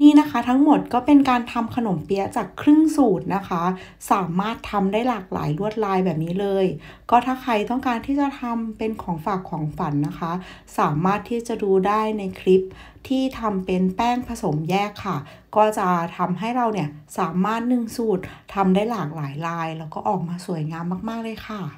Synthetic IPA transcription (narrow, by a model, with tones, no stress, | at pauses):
niː˥˩na˦˥kʰa˦˥t̪ʰa˦˥ŋmo˨˩t̪̚kɔː˥˩pe˧nkaː˧nt̪ʰa˧mkʰa˧no˨˩˦mpi˧ɐt͡ɕaː˨˩kʰɾɯ˥˩ŋsuː˨˩t̪̚na˦˥kʰa˦˥ | saː˩˦maː˥˩t̪ʰːa˧mdaː˥˩jlaː˨˩k̚la̰ː˩˦jlu˥˩ət̪̚laː˧jbɛː˨˩p̚niː˦˥lɤː˧j | kɔː˥˩t̪ʰaː˥˩xʰɾa˧jt̪ɔ˥˩ŋkaː˧nt̪ʰiː˥˩t͡ɕa˨˩t̪ʰa˧mpe˧nkʰɔː˩˦ŋfaː˨˩kʰːɔː˩˦ŋfa˩˦nːa˦˥kʰa˦˥ | saː˩˦maː˥˩t̪ʰːiː˥˩t͡ɕa˨˩duː˧daː˥˩jna˧jkʰɾi˦˥p̚ | t̪ʰiː˥˩t̪ʰa˧mpe˧npɛː˥˩ŋpʰa˧so˨˩˦mjɛː˥˩kʰːa˥˩ | kɔː˥˩t͡ɕa˨˩t̪ʰa˧mɦa˥˩jɾa˧wni˥˩ɐsaː˩˦maː˥˩t̪̚nɯ˨˩ŋsuː˨˩t̪̚ʰːa˧mdaː˥˩jlaː˨˩k̚laː˩˦jlaː˧jlɛː˦˥wkɔː˥˩ʔɔː˨˩k̚maː˧su˨˩ə˦jŋaː˧mːaː˥˩k̚maː˥˩k̚lɤː˧˩jkʰa˧˥˩